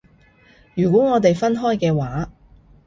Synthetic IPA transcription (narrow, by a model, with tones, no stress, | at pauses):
jyː˨˩k̬ʷwɔː˨˥ŋɔː˨˧t̪e˨jfɐ˥nɦɔː˥jkɛː˧waː˨˥